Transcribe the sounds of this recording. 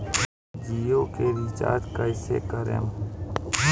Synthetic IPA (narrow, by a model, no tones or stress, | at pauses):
d͡ʒijoːkeɾit͡ʃa̰ːd̪kaɪsḛkəɾḛm